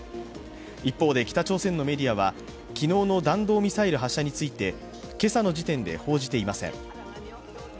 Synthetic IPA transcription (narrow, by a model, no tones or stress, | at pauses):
ipːo̞ːd̪e̞kʲi̥t̪at͡ɕo̞ːsẽ̞nːo̞me̞ɾʲiaβ̞a | kʲino̞ːno̞d̪ãnd̪o̞ːmʲisaiɾɯ̟ɦaɕːaɲ̟it͡sɨit̪e̞ | ke̞sano̞d͡ʑit̪ẽ̞nd̪e̞̰ho̞ːʑit̪e̞imasẽ̞̰ŋ